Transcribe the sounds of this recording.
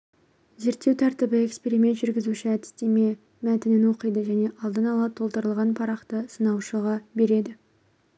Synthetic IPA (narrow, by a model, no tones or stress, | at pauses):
ze̞ɾt̪ːe̞wt̪ʰæɾt̪ɪbɪe̞kspeɾime̞nt̪ʒʏɾɡʲɪzuʃɪæt̪ɪ̥st̪e̞me̞ | mæt̪ɪnɪnwo̞qəjd̪əʒæne̞ʔɑlˠd̪ənɑlˠɑt̪ʰːo̞lˠt̪əɾəlˠʁɑnpʰɑɾɑqt̪əsənɑwʃəʁɑbe̞ɾe̞d̪ɪ